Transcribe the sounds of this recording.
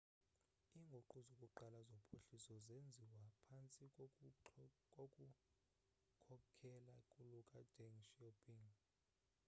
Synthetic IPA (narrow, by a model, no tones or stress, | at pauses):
iŋɡʱoǃuzukʼuǃalazopʰoɬisɔzend͡zʱiwapʰant͡sʼi | kʼokʼu | kʰɔkʰɛlakʼulukʼad͡ʒ̥eŋʃiopʰʼiŋ